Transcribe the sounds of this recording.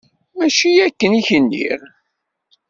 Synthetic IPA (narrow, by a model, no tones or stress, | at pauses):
mæʃiækːəniçənːḭɾ